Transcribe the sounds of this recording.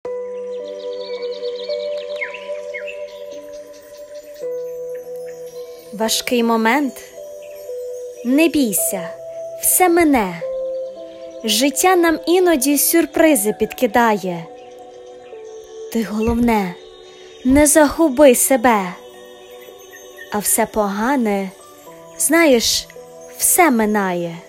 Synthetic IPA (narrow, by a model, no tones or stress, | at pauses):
ʋɐʃkɪjmɔmɛnt̪ | nebʲijsʲɐw̥sɛmɛnɛ | ʒɪtʲːanɑminɔdʲisʲʊrpɾɪzɪpʲid̪kɪd̪ɑjɛ | t̪ɪɦɔlˠɔwnɛ | nɛzɐɦʊbɪsebɛ | ɐwsɛpɔɦɑnɛ | z̥nɑjeʃ | w̥sɛmenɑjɛ